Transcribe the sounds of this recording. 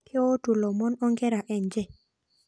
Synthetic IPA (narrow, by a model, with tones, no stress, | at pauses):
kʰɪ˦o˦tu˨lɔ˨mɔ˦nɔ˦ŋɡɛ˦ɾa˨ʔɛ˨ɲd͡ʒɛ˨